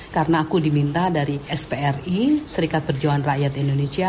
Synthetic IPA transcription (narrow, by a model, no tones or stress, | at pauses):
kaɾənaːkudimint̪adaɾiɛspeɛrisəɾikat̪̚bərd͡ʒaanraʔjat̪indonesia